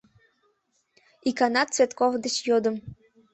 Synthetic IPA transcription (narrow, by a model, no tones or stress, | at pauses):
ikanɑt̪t͡svʲet̪kovd̪ət͡ɕjod̪ə̆m